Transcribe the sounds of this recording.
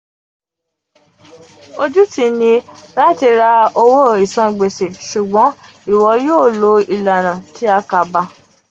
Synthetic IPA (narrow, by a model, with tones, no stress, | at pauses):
o˧d͡ʒu˦tĩ˧nĩ˧ɾa˦˨ti˧ɾa˧o˧wo˦i˨sã˧˨ɡ͡be˨se˨ʃu˨ɡ͡bɔ̃˨˦ | i˨wɔ˧˦joː˦˨lo˨˧˦i˨la˨nã˨ti˨˦a˧ka˧ba˧